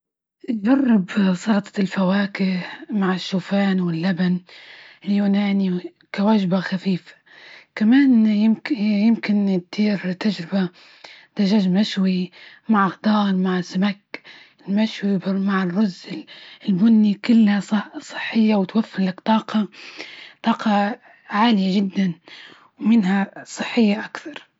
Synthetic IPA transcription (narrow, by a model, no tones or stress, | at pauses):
d͡ʒɑrˤːɪbsˤɑɾt̪ˤɑ̥lfawaːkɪhmaʕɪʃːuːfaːnwɪlːabanɪljuːnaːni | kawaʒbaxafiːfḁ | kamaːnjɪmjɪmkɪnt̪t̪iːɾt̪ad͡ʒɾɪba | d̪̥aʒaːʒmaʃwi | maʕxd̪ˤɑːɾˤmaʕsamak | ɪlmaʃwibmaʕrːʊzlɪlbʊnːikʊlːhassˤɨ̥ħːɪjːawɪt̪wafːɪnlakt̪ˤɑːqɑ | t̪ˤɑːqɑ | ʕaːlɪjaʒɪd̪ːan | wmɪnhasˤɨħːɪjːaʔakθɑɾˤ